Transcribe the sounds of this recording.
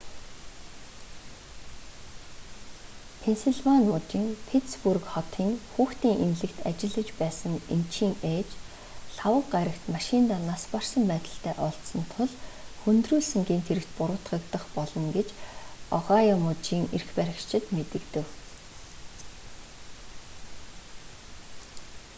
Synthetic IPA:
pʰensiɮvanmʊt͡ɕiːŋpʰet̪spurkχɔt̪ʰiːŋxuːxt̪iːŋʔemɮɘ̆kt̪a̰t͡ɕɪ̆ɮə̆t͡ɕpæːsə̆ŋemt͡ɕʰiːŋet͡ɕ | ɬawə̆kɢaɾə̆kt̪maʃɪnt̪aːnaspar̥sə̆mpæːt̪ə̆ɬt̪æːʔɔɬt̪sɞ̆nt̪ʰʊɮxunt̪ruːɮsɘ̆ŋɡiːnt̪ʰeɾɘ̆kt̪̚pʊɾʊ̆ːt̪ɢə̆kt̪ə̆χpɔɮɞ̆ŋɡet͡ɕɔʁaːjamʊt͡ɕiːŋḛrxpæɾʲə̆kt͡ɕʰɪ̆t̪met̪ɘ̆kt̪ɘ̆w

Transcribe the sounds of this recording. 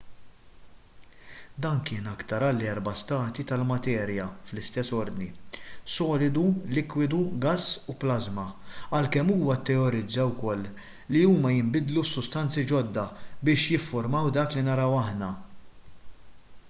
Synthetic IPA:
d̪ɐːŋkɪːnɐkt̪ɐɾɐlːɛɾbɐst̪ɐːt̪it̪ɐlmɐt̪ɛːɾjɐflɪst̪ɛsːɔɾd̪nisɔːlɪd̪ulɪkwɪd̪uɡɐsːuplɐzmɐɐlkɛmːuːwɐt̪ːɛɔɾɪd͡zːɐwkɔlː | iuːmɐjɪmbɪd̪lusːʊst̪ɐnt͡sid͡ʒɔd̪ːɐbɪːʃjɪfːʊɾmɐwd̪ɐːklinɐɾɐwɐħnɐ

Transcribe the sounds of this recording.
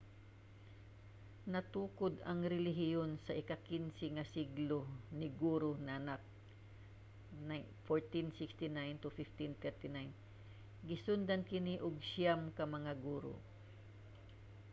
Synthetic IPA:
nɐt̪uːkod̪ɐŋɾɪlɪɦɪjonsɐʔɪkakɪnsɪŋɐsiɡlonɪɡuːɾonaʔanak̚ | na | foɹt̪insɪkst̪ɪnajnt̪ʊfɪft̪ɪnt̪ɛɹt̪ɪnajn | ɡɪsʊnd̪ankɪniʔʊɡʃjamkɐmɐŋaɡuːɾo̰

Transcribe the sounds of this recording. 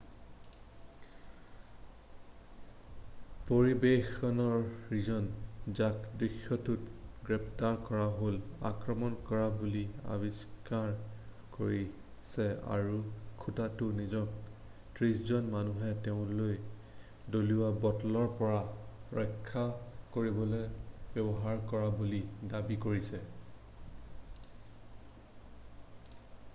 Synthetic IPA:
poɹibexɔnɔɹɹizɔnzakdɹixːɔtutɡɹɛpʰtaɹkɔɹaɦola̰kɹɔmɔnkɔɹabulia̰biskaɹ | koɹi | sɛa̰ɹukʰutatʊnizɔk̚ | tɹiszɔnmanuɦɛteʊ̃loj | doliwabɔtɔlɔɹpɔɹaɹɔjkʰːakoɹibɔlojbɛbɔɦaɹkɔɹabulidabikoɹisɛ

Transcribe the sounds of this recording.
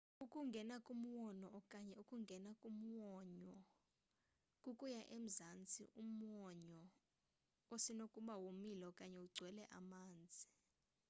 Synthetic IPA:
ukʼuŋɡʱɛnakʼum̩wɔnɔɔkʼaɲɛukʼuŋɡʱɛnakʼum̩wɔɲɔ | kʼukʼujaʔem̩zant͡sʼḭʔum̩wɔɲɔ | osinokʼuɓawomilɔkʼaɲɛuɡ͡ǀʱwɛlɛʔa̰maːnd͡zʱi

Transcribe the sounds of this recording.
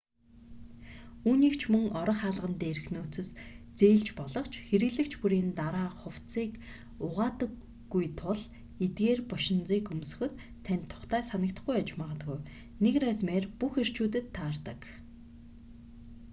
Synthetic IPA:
uːniːkt͡ɕʰmɵŋɔɾɞ̆χaːɮʁə̆nt̪eːɾɘ̆xnoːt͡sɵ̆st͡seːɮt͡ɕpɔɮɞ̆χt͡ɕʰxeɾɘ̆ɣɮɘ̆kt͡ɕʰpuɾiːnt̪aɾaːχʊw̥t͡siːk | ʊʁaːt̪ə̆kː | ujt̪ʰʊɮ | et̪̚ɡeːrpʊʃɪ̆nt͡siːkɵmsɵ̥̆xɘ̆t̪ʰːænʲt̪ʰːʊ̥χt̪æːsanə̆k̚t̪ə̆χɡujat͡ɕmaːʁə̆t̪ɣuj | nekræsmeːrpuxer̥t͡ɕuːt̪ɘ̆t̪ʰːaːrt̪ə̰̆k

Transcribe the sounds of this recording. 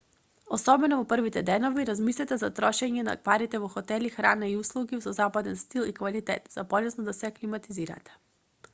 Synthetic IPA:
osɔbɛnɔvɔpr̩vit̪ɛd̪ɛnoviɾazmislʲɛt̪ɛzat̪ɾɔʃɛɲɛna̰paɾit̪ɛvɔxɔt̪ɛlixɾanaiuslˠuɡisɔzapad̪ɛnst̪ilˠikvalit̪ɛ̰t̪z̥apɔlɛsnɔd̪asɛklimat̪iziɾa̰t̪ɛ̥

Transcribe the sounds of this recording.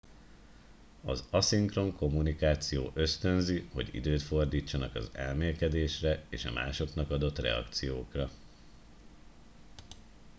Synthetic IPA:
ɒzɒsiŋkro̞ŋko̞munikaːt̪sijo̰ːʔø̞st̪ø̞nziho̞̰ɟḭd̪øːt̪fo̞rd̪iːt͡ʃːɒnɒkɒ̰zɛlmeːlkɛd̪eːʃrɛeːʃɒ̰mʔa̰ːʃo̞kn̪ɒkɒd̪o̞t̪rɛ̰ɒ̰kt̪sijoːkrɒ

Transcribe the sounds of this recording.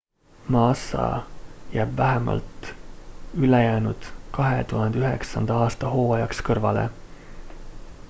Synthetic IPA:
mɑːsɑ̰jæːb̥væɦemɑ̰lt̪ | ylejæːnud̪̥kɑɦḛt̪uhɑnd̪eyɦe̞̰ksɑnd̪̥ɑɑːst̪ɑɦo̞ːɑjɑkskɤrvɑlḛ

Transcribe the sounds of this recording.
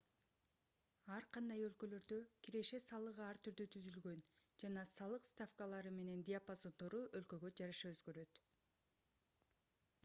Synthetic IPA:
ɑɾqʰɑnd̪ɑjø̞lkø̞lø̞ɾd̪ø̞kʰiɾe̞ʃe̞sɑlˠɯʁɯɑɾt̪ʰyɾd̪yt̪ʰyzylɡø̞nd͡ʒɑnɑsɑlˠɯqst̪afkalˠɑɾɯme̞ne̞nd̪ʲɪapazo̞nd̪o̞ɾuʔølkø̞ɡø̞d͡ʒɑɾɑʃɑøzɡø̞ɾø̞t̪

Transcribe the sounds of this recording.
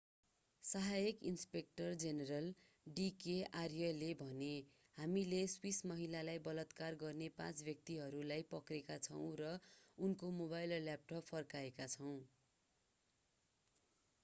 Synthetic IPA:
sʌɦajekinspek̚ʈʌrd͡zeneɾʌl | ɖikearjʌlebʱʌne | hamileswismʌɦilalajbʌlʌt̪karɡʌrnepã̰t͡sbjʌk̚t̪iɦʌɾulajpʌkrekat͡sʰʌw̃rʌunkomobajllːjap̚ʈʌpfʰʌrkaekat͡sʰʌw̃

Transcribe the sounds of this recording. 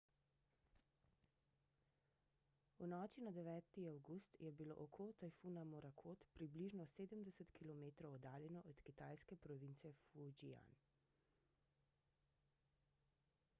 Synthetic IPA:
unɔːt͡ʃinad̪ɛʋɛːt̪iawɡust̪jɛbilo̰ːʔɔkʰot̪ajfunamɔɾakʰoːt̪pɾibliʒnɔseːd̪əmd̪ɛsət̪kilɔmeːt̪ɾɔwɔd̪aːljɛnɔʔɔt̪kit̪aːjskɛpɾɔʋint̪sɛfud͡ʒia̰n

